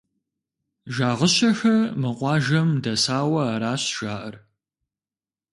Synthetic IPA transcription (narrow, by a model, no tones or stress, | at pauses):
ʒaːʁəɕɐxɐmɨqʷɑːʒɐmdɐsaːwɐaɾaːɕʒ̥aːʔɐr